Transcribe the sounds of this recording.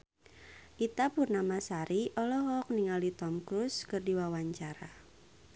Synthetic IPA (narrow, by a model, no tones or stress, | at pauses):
ʔit̪apurnamasaɾiʔɔlɔɦɔk̚niŋalit̪ɔmkɾuskɨrdiwawaɲt͡ʃaɾa